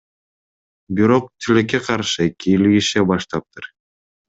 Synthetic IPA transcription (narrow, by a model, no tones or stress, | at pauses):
biɾo̞q̚t̪ʰilek̬ːeqʰɑɾʃɯekʲiːlɡʲiʃebɑʃt̪ɑp̚t̪ɯɾ